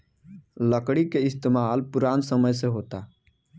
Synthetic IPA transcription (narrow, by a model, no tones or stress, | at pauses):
ləkɽikeɪst̪emaːlpuɾaːnsəməjseɦot̪a